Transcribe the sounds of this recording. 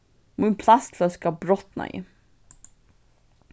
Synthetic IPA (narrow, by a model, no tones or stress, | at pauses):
mɪnpʰlast̪ʰlœskabɾɔt̪na̰jɪ̰